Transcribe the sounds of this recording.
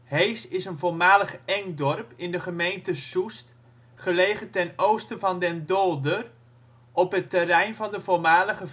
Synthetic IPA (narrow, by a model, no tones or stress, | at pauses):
hejsɪsənvolˠmaːləχɛŋdɔrpɪndəχəmejntəsust | χəlejχəntɛnowstəvɑndɛndɔlˠdər | ʔɔpɦətərɛjnvɑndəvolˠmaːləχə